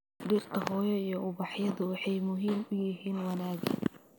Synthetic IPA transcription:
ɖiːrt̪ʰɐhɔːjɔijɞʊβɑħjɐðʊwɑħɑjmʊɦiːmʊjɪɦiːnwɑnaːɡɪ̰

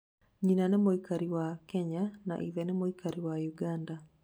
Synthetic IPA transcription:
ɲinanemoikaɾiwakɛɲana̰ʔiðɛnemoikaɾiwajuɡanda

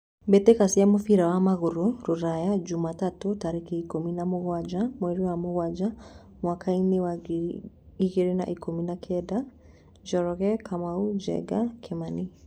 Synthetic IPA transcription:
bɛtekasiamofiɾawamaɣoɾoɾoɾajad͡ʒumatatotaɾekiikominamoɣwad͡ʒamwɛɾiwamoɣwad͡ʒa | mwakʰainewa | iɣeɾena̰ʔikominakʰɛda | d͡ʒɔɾɔɣɛkʰamaud͡ʒɛ̰ɡakʰemani

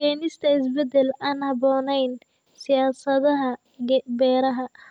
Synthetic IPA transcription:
ɛːnɪst̪ʰɐɪs̬bɛd̪ɛlaːnhɑbɔːnɛjn | sɪjaːsɐðɐɦɐ | bɛːɾɐɦɐ

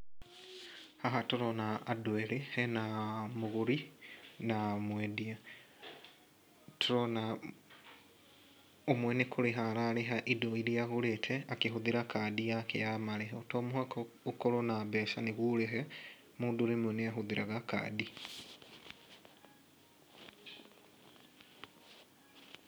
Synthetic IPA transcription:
haɦatoɾonaːdwelehenamuɣuɾinamwedia | tʰoɾona | omwenekʰuɾiɦaɾaleɦaʔidoiɾiaɣuletʰeakihuðiɾakadijakḛjamaleɦeotoːmuhako | okolonabesaneɣuleɦe | muːduɾemoneaɦuðiɾʔaɣaka̰di

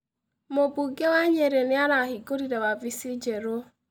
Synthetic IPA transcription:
mobuɡewaɲeɾenɪanaɦiɡoɾiɾewavisid͡ʒeɾo

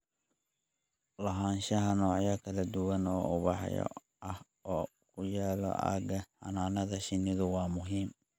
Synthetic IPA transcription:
lɐɦaːnʃɐɦɐnɔːʕjɐkʰɐlɐd̪ʊwɐnɔːʊβɑħjɔ̰ | ʔɐh | ɔː | kʰʊjaːlɔ̰ʔa̰ːɡɐħɑ̰naːnɐðɐʃɪnɪðʊwɑːmʊɦiːm

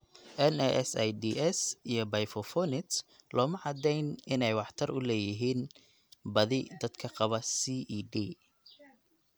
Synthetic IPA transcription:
ʔɛnɛʔɛsɐjd̪iːʔɛsijɞbɐjfɔfɔnɪt̪lʔɔːmɐʕɑd̪ɛjnɪnɛjwɑħt̪ʰɐrʊlɛːjɪɦiːn | bɐðɪd̪ɐd̪kʰɐqɑβɐsiʔɖiː

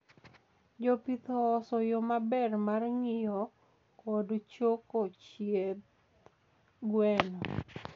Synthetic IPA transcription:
d͡ʒopit̪ɔːsɔjomabɛrmarŋɪjɔ | kɔdt͡ʃokot͡ʃjet̪ | ɡwɛnɔ

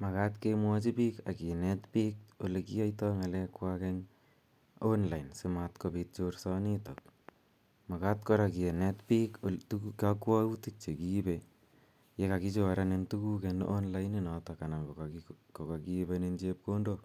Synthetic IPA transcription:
makatkemwɔt͡ʃipika̰kinɛtpiːk̚olekiajtɔŋalɛkwakeŋ | onlajnsɪmatkopit̚t͡ʃorsɔnitok̚ | makat̚kɔɾakienɛtpiːktukakwɔutik̚t͡ʃekibe | jekakit͡ʃoɾanentukukenʔonlajninɔtakanaŋokokakibenent͡ʃep̚kondo

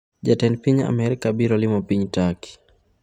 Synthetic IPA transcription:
ʄatɛnpiɲaa̰mɛɾikaɓiɾɔlimɔpiɲtaki̥

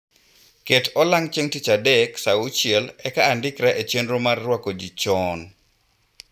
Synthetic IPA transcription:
ketʰɔlaŋt͡ʃeŋtit͡ʃadɛksaʊt͡ʃɪɛlɛkaːndɪkɾaʔet͡ʃenɾomarːwakod͡ʒit͡ʃɔn

